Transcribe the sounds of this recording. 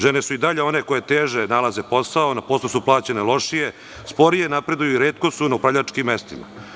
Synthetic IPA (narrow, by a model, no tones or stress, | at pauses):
ʒenesuid̪aʎe̞o̞ne̞ko̞je̞t̪eːʒenalˠaze̞po̞saonapoːslosuplˠaːt͡ɕe̞ne̞lo̞ʂije̞ | spo̞ɾijenapɾe̞d̪ujuiɾeːt̪kosunaupɾaʋʎat͡ʃkimːest̪ima̰